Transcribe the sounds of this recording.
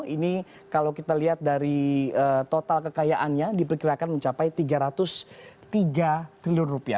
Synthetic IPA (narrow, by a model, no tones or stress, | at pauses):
ini | kalawkit̪aliɦat̪̚daɾiət̪ot̪alkəkajaʔanɲadipərkiɾakanməɲt͡ʃapajt̪iɡaɾat̪ʊst̪iɡat̪ɾiliʊnrupia̰